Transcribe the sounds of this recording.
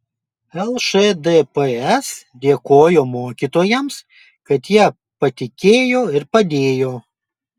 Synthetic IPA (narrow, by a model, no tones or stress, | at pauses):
ɛlˠʃed̪ɛpɛɛs | d̪ʲeɛkoːjoːmoːkʲit̪oːjɛms | kɐt̪jiɛ | pɐt̪ʲɪkʲeːjoːɪɾpɐd̪ʲeːjoː